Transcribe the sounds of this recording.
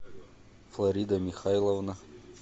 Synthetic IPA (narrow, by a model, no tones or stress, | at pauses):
flˠɐɾʲid̪ɐmʲixajlˠovna